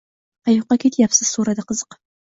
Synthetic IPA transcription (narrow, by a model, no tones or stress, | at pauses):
ajuqːɑkʰʲet̪ʰjapsɨz̥suɾɐd̪ɐqəzə̥q